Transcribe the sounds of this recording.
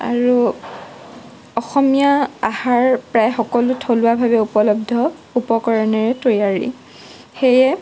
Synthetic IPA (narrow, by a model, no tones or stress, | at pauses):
a̰ɹu | ɔxɔmijaahaɹpɹajxɔkɔlʊtʰolʊwabʱabɛupɔlɔb̚dʱɔ | upɔkɔɹɔnɛɹɛtojaɹḭ | xejɛ